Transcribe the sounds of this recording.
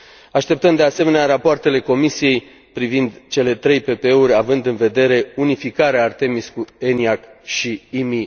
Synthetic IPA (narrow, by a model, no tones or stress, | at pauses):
aʃt̪e̞p̚t̪əmd̪ease̞me̞neaɾapoart̪e̞le̞ko̞misije̞j | pɾivind̪t͡ʃe̞le̞t̪ɾe̞jpe̞peeuɾʲavɨnd̪ɨnve̞d̪e̞ɾe̞unifikaɾeaːrt̪e̞miskue̞niakʃiimi